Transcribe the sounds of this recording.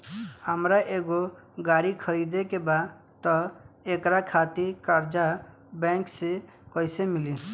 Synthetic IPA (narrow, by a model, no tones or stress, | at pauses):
əmɾaʔeːɡo | ɡaːɾikʰəɾiːd̪ekeba | t̪ɔeːkɾakʰaːt̪ikəɾd͡ʒa | bɛ̃ːŋkse | kɔɪsemɪli